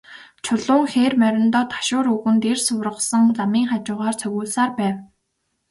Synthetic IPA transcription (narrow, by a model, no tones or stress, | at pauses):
t͡ɕʰʊɮʊːŋxeːrmœɾʲɪ̆nt̪ɔːt̪ʰḁʃʊːɾɵɣɘ̆nt̪ersʊrə̆sə̆ŋɮamiːŋχat͡ɕʊːʁaːrt͡sʰɵɣuːɮsaːrpæːw